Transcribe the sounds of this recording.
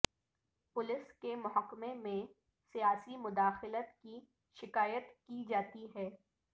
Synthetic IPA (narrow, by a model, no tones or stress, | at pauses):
pʊlɪskemʊɦəkːmemẽ | sijaːsimʊd̪aːxɪlət̪ki | ʃɪkaːjət̪kid͡ʒaːt̪iɦɛː